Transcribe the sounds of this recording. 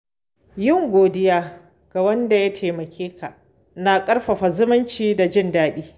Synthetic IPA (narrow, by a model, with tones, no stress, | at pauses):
jɪ˦˨ŋɡʷoː˨dɪ˦jaː˦ | ɡ̥a˨wɐ˦nda˨ja˦tʰeː˨mɐ˨kʲʰeː˦kʰa˨ʔ | na˨kʼɐ˦rɸɐ˨ɸa˨zʊ˦mɪ˦nt͡ʃiː˦da˨d͡ʒɪ˦ndaː˦ɗiː˦